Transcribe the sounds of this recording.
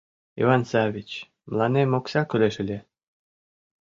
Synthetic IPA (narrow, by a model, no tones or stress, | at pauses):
ḭvɑnsɑvʲit͡ɕ | mlˠɑnemoksɑkyleʃɘlʲe